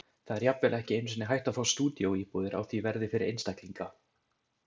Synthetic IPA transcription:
θaðɛɾjapvɛlɛhcɪejnsɪnɪɦajht̪aðfawst̪uːt̪jowiːpuðɪɾʔa̰wθvivɛɾðɪfɪɾɪɾʔḛjnst̪akliŋka

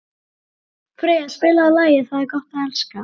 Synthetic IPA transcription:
fɾɛːjaspɪːlaːlaːjɪθaðɪɾkɔht̪aɛlska

